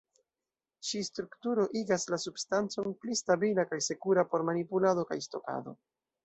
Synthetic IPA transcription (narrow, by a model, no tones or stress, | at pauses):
ʃistɾuktuɾo̞ʔiɡaslasubstant͡so̞nplistabilakajse̞kuɾapo̞ɾmanipulado̞ka̰jsto̞̰ka̰do̞̰